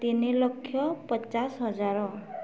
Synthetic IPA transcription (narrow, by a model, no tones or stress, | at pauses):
t̪inilɔkʰːjɔpət͡ʃasɦɔd͡ʒaɾɔ